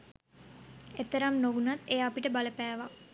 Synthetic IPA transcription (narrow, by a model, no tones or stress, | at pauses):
et̪ːəɾamnoʋunat̪ːejapiʈəbaləpæːʋa